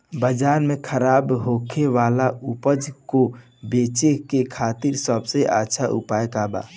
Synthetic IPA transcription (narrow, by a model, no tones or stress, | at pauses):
bəd͡ʒaːɾmẽkʰəɾaːbɦoːkʰeʋaːlaʔʊpəd͡ʒko | beːt͡ʃekekʰaːt̪ɪɾsəbseʔa̰tːʃʰaʔʊ̰paːjkaːba̰ː